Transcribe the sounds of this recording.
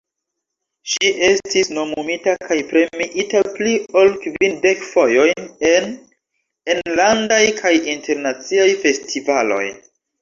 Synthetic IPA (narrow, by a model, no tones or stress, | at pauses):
ʃiʔestisno̞mumitakʰajpɾe̞miʔitaplio̞lkvinde̞kfo̞jo̞jne̞n | enlandajkʰajinte̞ɾnat͡siajfe̞stʰivalo̞̰j